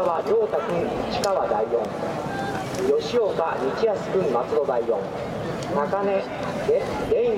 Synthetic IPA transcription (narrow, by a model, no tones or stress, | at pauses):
βaɾʲo̞ːt̪akɯ̟̃nit͡ɕi̥kaβad̪aijõ̰ŋ | jo̞ɕiokaɲʲit͡ɕiasɨ̥kɯ̟̃mmat͡sɨd̪o̞d̪aiõ̰ŋ | nakane | d̪ẽĩ